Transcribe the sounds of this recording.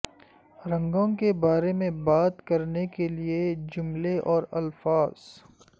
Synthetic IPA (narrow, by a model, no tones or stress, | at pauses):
ɾɐ̃ŋɡõkebaːɾemẽbaːt̪kɐɾnekelied͡ʒʊmleʔɔːɾɐlfaːz̥